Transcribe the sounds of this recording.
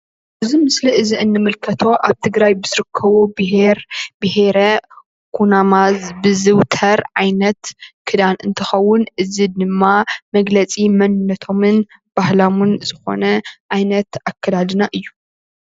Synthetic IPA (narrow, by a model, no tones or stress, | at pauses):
ʔɨzimɨsliʔɨziʔɨnːɨmɨlkʰɐt̪ʰo̞ʔaβt̪ʰɨɡɾajbɨz̥ɨɾɨkʰːɐβobɨɦeɾbɨhe̞ɾɐ | kʰunamazbɨzɨwt̪ʰɐɾʕajnɐt̪kʰɨd̪anʔɨnt̪ʰɐxɐwːʊnʔɨzid̪ɨmːamɐɡlɐt͡sʼimɐnnɐt̪ʰo̞mɨn | b̥ahlamunz̥ɨxo̞̰nɐʕajnɐt̪akːɐd̪ad̪ɨnaʔɨjːu